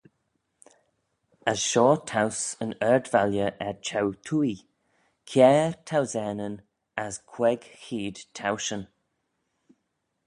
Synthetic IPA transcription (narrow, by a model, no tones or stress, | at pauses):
əsʃɔːtʰawsənɛɹdvaljəʔɛɹt͡ʃʰawt̪ʰuːi | kʰjɛːɹtʰawzɛːnən | askʰw̥ɛɡxiːd̪̥tʰawʃən